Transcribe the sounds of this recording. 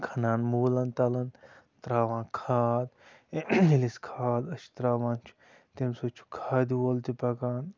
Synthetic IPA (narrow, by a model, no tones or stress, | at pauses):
kʰɐnaːnmuːlɐnt̪ɐlɐn | t̪ɾaːʋãːkʰaːd̪ | iliskʰaːd̪ɐʃi̥t̪ɾaːʋãːnt͡ʃʰu̥ | t̪emsot͡ʃʰu̥kʰaːd̪iwolt̪ipɐkaːn